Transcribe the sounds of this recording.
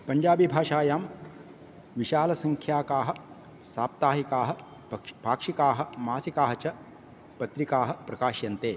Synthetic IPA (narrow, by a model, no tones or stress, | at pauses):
pɐɲd͡ʒaːbibʱaːʂaːjaːm | ʋiʃaːlɐsɐŋkʰjaːkaːɦɐ | saːp̚t̪aːɦikaːɦɐ̆ | bʱaːkʂikaːɦɐ̆maːsikaːɦɐt͡ʃɐ | pɐt̪ɾikaːɦɐ̆pɾɐkaːʃjɐnt̪eː